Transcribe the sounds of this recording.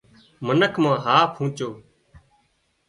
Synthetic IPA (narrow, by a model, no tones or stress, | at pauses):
mənəkʰmãːɦaːpʰɦũːt͡ʃoː